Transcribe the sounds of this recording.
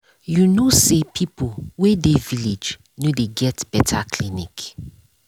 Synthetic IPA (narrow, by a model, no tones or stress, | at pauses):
junosepʰipowedeviled͡ʒ | nodeɡɛtb̥ɛtʰakʰlinik